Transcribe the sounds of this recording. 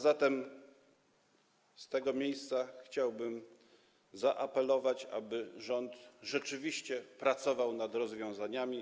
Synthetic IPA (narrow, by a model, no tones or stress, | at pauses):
zat̪ɛm | st̪ɛɡɔmʲjejst̪saxt͡ɕawbɘm | zaʔapɛlɔvat͡ɕa̰bɘʐɔnt̪ʐɛt͡ʂɘvʲiɕt͡ɕɛpɾat̪sɔvawnad̪ɾɔzvʲjɔ̃w̃zaɲamʲi